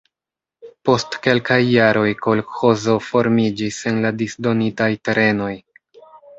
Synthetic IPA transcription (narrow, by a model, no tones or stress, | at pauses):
po̞stke̞lkajːaɾo̞jko̞lxo̞zo̞fo̞ɾmid͡ʒise̞nladisdo̞nitajte̞ɾe̞no̞j